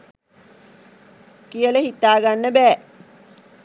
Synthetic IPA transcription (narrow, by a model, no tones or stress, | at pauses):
kijələɦit̪ːaːɡanːəbɛː